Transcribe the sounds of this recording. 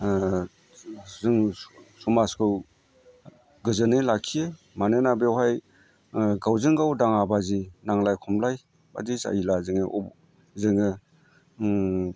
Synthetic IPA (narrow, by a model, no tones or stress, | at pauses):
zɯŋsumaskʰɯw | ɡɯzɯnɯlakʰije | manɯnabewɦaj | ɡawzɯŋɡawdaŋabazinaŋlajkʰɔmlaj | ba̰disa̰ilazɯŋɯʔɔ | zɯŋɯ